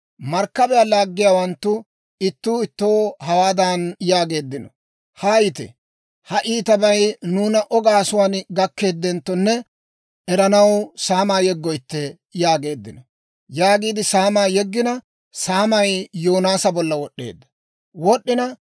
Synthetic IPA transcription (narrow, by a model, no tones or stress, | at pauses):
mɐɾkːɐbɛjalaːɡːɪjaːwɐnt̪ːʊ | ɪt̪ːuːɪt̪ːoːhɐwaːd̪anjaːɡe̞ːd̪ːɪnɔ | hajɪt̪ɛ̰ | hɐʔiːt̪ɐbɐjnuːnɐʔɔɡaːsʊwaːnɡɐkːe̞ːd̪ːɛnt̪ːɔnːɛ | ʔɛɾɐnɐwsaːmaːjɛɡːɔjt̪ːɛ | jaːɡe̞ːd̪ːɪnɔ | jaːɡiːd̪ɪsaːmaːjɛɡːɪnɐ | saːmɐjjoːnaːsɐbɔlːɐwɔɗːe̞̰ːd̪ːɐ̥ | wɔɗːɪnɐ